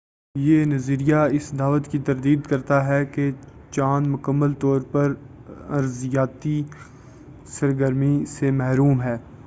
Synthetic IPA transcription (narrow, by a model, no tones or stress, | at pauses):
jeːnɐziːɾijaɪsd̪aːʋət̪kit̪ɐɾd̪iːd̪kɐɾt̪aɦɛket͡ʃaːnmʊkəmːəlt̪ɔːɾpɐɾ | ɐɾzɪjaːt̪i | sɐɾɡəɾmisemɛɦɾuːmɦɛː